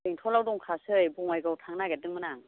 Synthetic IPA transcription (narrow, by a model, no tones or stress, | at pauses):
iŋtʰɔlawdɔŋkʰasɯjbɔŋajɡɯwtʰaŋnaɡedɯŋmɯnaŋ